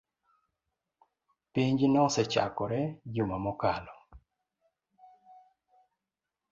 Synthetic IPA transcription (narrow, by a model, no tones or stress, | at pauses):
piɲd͡ʒinɔsɛt͡ʃa̰kɔɾɛd͡ʒumamɔkalɔ